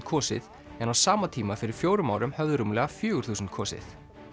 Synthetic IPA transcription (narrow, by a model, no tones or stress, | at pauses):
kʰɔːsɪ̰ð | ɛnawsaːmat̪ʰiːmafɪɾɪɾ̥fjoːwɾʏmaːwɾʏmhœvðʏɾuːmlɛɣafjʏːɣʏɾ̥θuːsʏnt̪̚kʰɔːsɪ̰θ